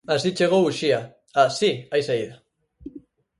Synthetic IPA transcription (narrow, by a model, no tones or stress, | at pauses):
asit͡ʃeɣ̞owuʃia | asiajsaiða